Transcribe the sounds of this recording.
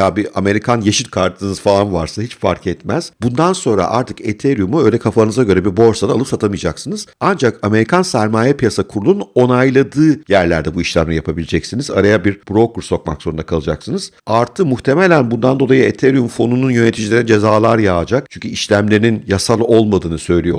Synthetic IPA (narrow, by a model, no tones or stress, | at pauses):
haːbiʔame̞ɾikʰanjeʃit̪kʰaɾt̪ʰɯnɯz̥falˠanvaɾsahit͡ʃfa̰ɾkʰɛt̪mæz̥bund̪anso̞nɾa̰ʔa̰ɾt̪ʰɯ̥ket̪ʰeɾjumuø̞jlʲɛkʰafanɯzaɟø̞ɾɛbibo̞ɾsad̪aːlˠɯpsat̪ʰamɯijd͡ʒaksɯnɯz̥and͡ʒakame̞ɾikʰansæɾmaːjɛpijasakʰuɾulˠuno̞najlˠad̪ɯːjæɾlʲæ̰ɾd̪ɛbuiʃlʲæmlʲɛjapʰabilʲed͡ʒɛcsiniza̰ɾajabiɾb̥ɾo̞kɾso̞k̚ma̰kzoɾund̪akʰalˠɯd͡ʒa̰ksɯnɯz̥aɾt̪ʰɯmuxt̪ʰe̞me̞lʲænbund̪and̪o̞lˠajɯet̪ʰeɾjumfo̞nununjø̞ne̞t̪ʰid͡ʒilʲe̞ɾɛd͡ʒe̞zaːlˠaɾjaːd͡ʒak̚t͡ʃʰyɲcʰyiʃlʲæmlʲeɾininjasalˠo̞lˠmad̪ɯːnɯsø̞jlʲijo